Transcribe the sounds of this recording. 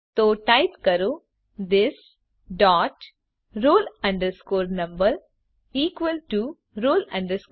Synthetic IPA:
t̪oːʈaɪtkɐɾu | d̪ɪs | ɖɔːʈ | ɾoːlɐ̃ɳɖəskoːɾnɐ̃mbəɾ | iːkʋəlʈu | ɾoːlɐ̰̃ɳɖəɾsk

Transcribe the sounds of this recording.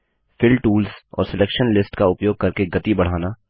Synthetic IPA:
fɪlʈuːlsɔ̰ːɾsɪleːkʃənlɪsʈkaʊpjoːɡ̚kɐɾkeɡɐt̪ibɐɽ̤aːna

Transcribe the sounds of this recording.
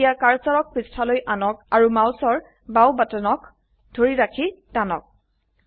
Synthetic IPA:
ijakaɹsaɹɔk̚pɹistʰalojʔanɔk̚aɹumawsɔɹ | bawbatɔnɔk | d̥ʱoɹiɹakʰitanɔ̰k̚

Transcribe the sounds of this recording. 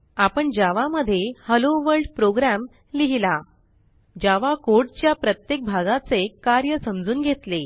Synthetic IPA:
apəɳd͡ʑaʋaməd̪ʱːjehəloʋəɭɖpɾoɡɾam | liɦila | d͡ʑaʋakoʈt͡ɕjapɾət̪jek̚bʱaɡat͡sekaɾjəsəmd͡zuːnɡʱet̪le

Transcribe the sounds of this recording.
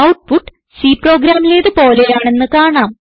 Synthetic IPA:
ɐwʈ̚puʈːɨ̥ | siːpro̞ːɡɾaːmile̞ːðɨpo̞ːlejaːɳe̞nːɨkaːɳaːm

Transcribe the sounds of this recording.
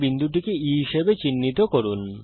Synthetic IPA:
bind̪ʱuʈ̬ikeiɦiʃebet͡ɕinːit̪okoɾun

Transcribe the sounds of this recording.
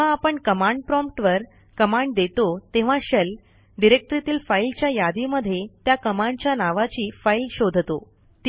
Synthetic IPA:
ãːpəɳkəmaɳɖpɾɔmpʈʋəɾ | kəmaɳɖ̚d̪et̪ot̪eʋ̤ãɕəl | ɖiɾek̚ʈ̪əɾit̪iːlfailt͡ɕjajad̪iməd̪ʱːjet̪jakəmãɳɖt͡ɕjanaʋat͡ɕiːfailɕod̪ʱt̪o̰ | t̪

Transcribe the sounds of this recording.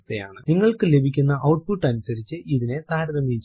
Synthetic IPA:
t̪ːeja̰ːɳɨniŋːɐɭkɨle̞bʱikʲːunːɐʔɐwʈ̚puʈːɐnusɐɾit͡ɕːɨʔiðine̞d̪ʱaːɾɐðɐmːiːt͡ɕː

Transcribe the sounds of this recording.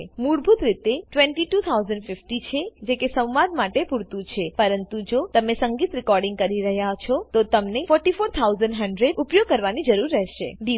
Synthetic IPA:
muɽbʱut̪ɾit̪eʈʋɛ̃ɳʈiʈut̪ʰauzəɳɖfɪfʈit͡ʃʰed͡ʒekesə̃w̃ʋad̪maʈepuɾt̪ũt͡ʃʰepəɾənt̪ud͡ʒot̪əmesəŋɡit̪ɾɪkɔɾɖĩŋɡ̚kəɾiɾəɦjat͡ʃʰɔt̪ot̪əmnefɔɾʈifoɾt̪ʰawzəɳɖɦəɳɖɾeɖupjoɡ̚kəɾʋanid͡ʒəɾuɾːɛɦʃḛd̪i

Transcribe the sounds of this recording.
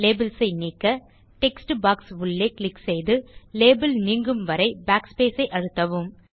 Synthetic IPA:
leːbɪlsɐɪniːkːɐ | ʈɛksʈbaːksʊɭːeːklɪksɛjðɯleːbɪlniːŋɡɯmʋɐɾɐɪbaːkspeːsɐɪʔɐɽɯt̪ːɐʋɯm

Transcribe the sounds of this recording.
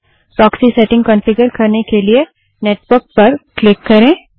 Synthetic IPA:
pɾɔːksiseːʈɪ̃ŋɡkə̃nfɪɡəɾkɐɾnekelie | neːʈʋəɾk̚pɐɾklɪkːɐɾẽː

